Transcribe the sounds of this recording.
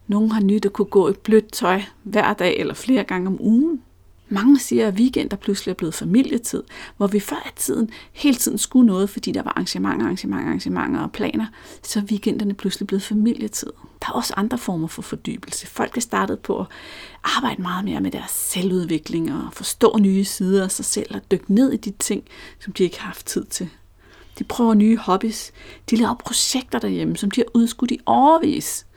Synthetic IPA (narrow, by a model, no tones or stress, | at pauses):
no̝ːn̩ɦɑ̈nyd̥ɑkʰuɡ̥ɔ̰ːed̥̚b̥lød̥̚t͡sʰɒɪʋæɐ̰d̥ɛ̰ːelɐfle̝ːɐɡ̥ɑ̈ŋəɒ̽mʔuːn̩ | mɑ̈ŋəsiːɐæʋiɡ̥en̰d̥ɐpʰlusliæb̥le̝ːð̞̩ˠfæmil̰jət͡sʰið̞̰ˠʋɒʋifɶɐ̰ʔæt͡sʰið̰ˠn̩he̝ːlət͡sʰið̰ˠn̩sɡ̥unɔ̽ːð̞̩ˠfɒ̽d̥ḭːd̥ɑ̈ʋɑ̈ʔɑ̈ŋɕəmɑ̈ŋ̰ɑ̈ŋɕəmɑ̈ŋɑ̈ŋɕəmɑ̈ŋ̰ɐ̽ːpʰlɛ̰ːnɐsɒ̽ʋiɡ̥en̰d̥ɐnəpʰluslib̥le̝ð̩ˠfæmil̰jət͡sʰið̰ˠd̥ɑ̈æɒ̽səʔɑ̈nd̥ʁɐfɒːmɐfɒ̽fɒ̽d̥y̰ːb̥l̩səfɒ̽l̰ɡ̥hɑsd̥ɑ̈ːd̥əð̞̩ˠpʰɒ̽ʔɒʔɑ̈ːb̥ɑ̈ɪ̰d̥əmɑ̈ːð̞̩ˠme̝ːɐmed̥æɐsːeluð̞ˠʋe̝ɡ̥le̝ŋɒfɒ̽sd̥ɔ̰̽ːnyːəsiːð̞ˠɐæsɑ̈ɪsel̰ɒd̥øɡ̥ne̝ð̰ˠid̥it͡sʰe̝ŋ̰sɒ̽md̥iae̝ɡ̥hɑhɑ̈fd̥̚t͡sʰið̰ˠt͡sʰe̝l | d̥ipʰʁœːʊɐnyːhɒ̽b̥isd̥ilɛʊɐpʰʁo̝ɕeɡ̥̚d̥ɐɾ̥æjeməsɒ̽md̥ihæʔuðˠsɡ̥ud̥iʔɒʊɐʋḭːs